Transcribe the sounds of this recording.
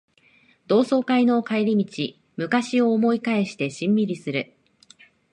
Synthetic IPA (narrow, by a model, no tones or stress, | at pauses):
d̪o̞ːso̞ːkaino̞ːkaeɾʲimʲit͡ɕi | mɯ̟kaɕio̞ːmo̞ikae̞ɕi̥t̪e̞ɕĩmːʲiɾʲisɨɾɯ